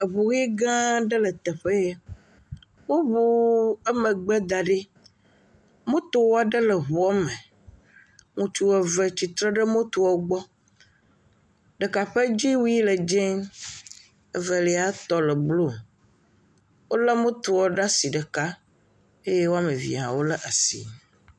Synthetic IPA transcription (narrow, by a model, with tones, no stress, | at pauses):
e˨βu˨ɣi˦ɡã˦ɖɛ˦lɛ˨t̪ɛ˨ɸe˦ | wo˦bo˦ɛ˦mẽ˨ɡ͡bɛ˦d̪a˨ɖe˦ | mõ˦t̪o˨wɔ˦a˨ɖe˦lɛ˨ɦu˨ɔ˦me˨ | ŋũ˨t͡ʃu˦wɛ˨vɛ˨t͡ɕi˨t̪ɾɛ˦ɖe˦mõ˦t̪u˨wɔ˦ɡ͡bɔ˦ | ɖə˨ka˨ɸe˦d͡ʑi˦wu˦i˦lə˨d͡ʒɛ˦ŋ | e˨və˨li˨a˨˦t̪ɔ˦lə˨blo˦˨ | wo˦la˦mõ˦t̪o˨wɔ˦ɖa˦si˨ɖə˨ka˦ | e˦je˦wo˦a˦me˨vḭ˨a̰˨wo˦lə˦ʔa˨sḭ˨